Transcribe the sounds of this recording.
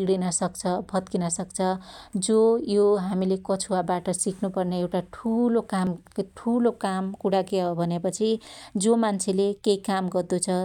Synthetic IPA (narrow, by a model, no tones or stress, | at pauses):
ɡɽinʌsʌkt͡sʰʌbʱʌt̪̚kinʌsʌkt͡sʰʌd͡zojoɦamilekʌt͡sʰuwabaʈʌsiknupʌrneewʈaʈʰulokamʈʰulokamkuɽakeobʱʌnepʌt͡sʰid͡zomant͡sʰelekeikamɡʌrd̪ut͡sʰʌ